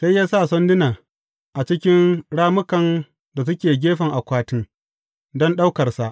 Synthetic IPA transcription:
sa˦jaː˦sa˦˨sɔ˦ndɪ˦naː˨ | ʔa˨t͡ʃɪ˦kʲɪ˦nɽaː˦mʊ˦kɐ˨n | da˨s̬ʊ˦kʲeː˨ɡʲeː˦ɸɐ˨ŋʔa˨kʷaː˦tɪ˦ŋ | dɔ˦nɗa˦wkɐ˨rsa˨ʔ

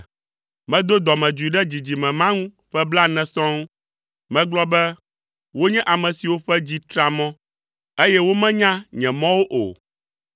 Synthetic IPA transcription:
mɛ̃˦d̪o˦d̪ɔ˨mɛ̃˨d͡ʒu˨i˨ɖɛ˦d͡ʑi˨d͡ʑi˨mɛ̃˨mã˦ŋũ˦ | ɸɛ˦bla˦nɛ̃˨sɔ̃˦ŋ˦ | mɛ̃˦ɡ͡blɔ˦bɛ˦ | wo˦ɲɛ̃˦ʔa˨mɛ̃˨si˨wo˦ɸɛ˦d͡ʑi˦t̪ɾa˨mɔ̃˦ | e˦jɛ˦wo˦mɛ̃˦ɲã˦ɲɛ̃˨mɔ̃˦wo˦ʔo̰˨

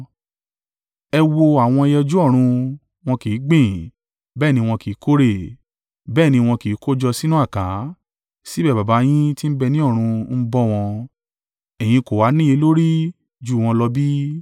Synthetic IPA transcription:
ɛ˧wo˧a˨w̃ɔ̃˧e˧jɛ˧d͡ʒu˦ɔ˦˨ɾ̃ũ˧ | w̃ɔ̃˧ki˨˦ɡ͡bĩ˦˨ | bɛː˦˨nĩ˧w̃ɔ̃˧ki˨˦kʰo˦ɾe˦˨ | bɛː˦˨nĩ˧w̃ɔ̃˧ki˨˦ko˦d͡ʒɔ˧si˦nũ˦a˦˨kã˨˦ | si˦bɛ˦˨ba˨ba˨˦j̃ĩ˦ti˦n̩˦bɛ˧nĩ˦ɔ˦˨ɾ̃ũ˧n̩˦bɔ˦w̃ɔ̃˧ | ɛ˨j̃ĩ˧ko˨wa˨˦nĩ˦e˧˦lo˦ɾi˦ | d͡ʒu˦˨w̃ɔ̃˧lɔ˧bi˦

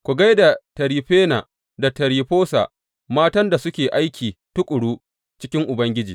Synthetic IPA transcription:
kʷu˨ɡa˦jda˨tɐ˨ɾiː˨ɸeː˦na̰˨ | da˨tɐ˨ɾiː˨ɸoː˦sa̰˨ʔ | maː˦tɐ˦nda˨sʊ˦kʲeː˨ʔa˦jkʲiː˨tʊ˦kʼʊ˨ɽuː˦ | t͡ʃɪ˦kʲɪ˦ŋʔʊ˨bɐ˦ŋɡʲɪ˦d͡ʒiː˨

